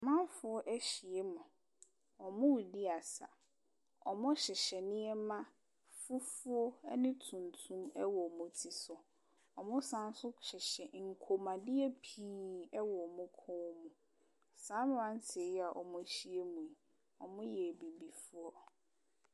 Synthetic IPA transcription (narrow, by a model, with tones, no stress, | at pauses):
mã˦fʊ˨ɔ˦ʔæ˦ɕi˨e˦mʊ̃˨ | ɔ˨mʊ̃˦wi˨dɪ˦a˨sa̰˨ | ɔ̰˨mʊ̃˦ɕɪ˨ɕɛ˨nɪ̃˦ɛ˦mã˦ | fu˦fʊ˦ɔ˦nɪ̃˦tʰũ˨n˨tʰũ˦mɛ˦wɔ˨mʊ̃˨tʰi˨sʊ˨ | ɔ˨mʊ̃˦sã˦n˦sʊ˦ɕɪ˨ɕɛ˨ŋ̩˨kʰo˨mã˨dɪ˦ɛ˦pʰiː˦ɛ˦wɔ˨mʊ̃˦kʰɔ̃˦mʊ̃˨ | sãː˨˦m̃˨˦ã˨˦n̩˦sʰe˨ja˨ʔɔ̰˨mʊ̃˦ɕi˨e˦mũ˨i˨ | ɔ˨mʊ̃˦jɛ˨bi˨bi˨fu˦ɔ˦